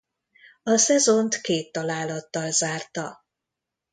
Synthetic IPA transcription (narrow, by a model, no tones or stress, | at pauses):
ɒsɛzo̞nt̪keːt̪ːɒlaːlɒt̪ːɒlzaːrt̪ɒ